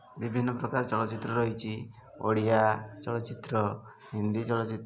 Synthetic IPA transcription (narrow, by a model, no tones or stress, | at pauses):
bibʱinːɔpɾɔkaɾɔt͡ʃɔɭɔt͡ʃit̪ɾɔɾɔɦit͡ʃʰi | o̰ɽiat͡ʃɔlɔt͡ʃit̪ɾɔ | ɦind̪it͡ʃɔlɔt͡ʃit̪